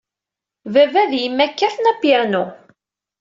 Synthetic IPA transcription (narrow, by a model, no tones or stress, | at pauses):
vævæðjimːækːæθnæpiɾnu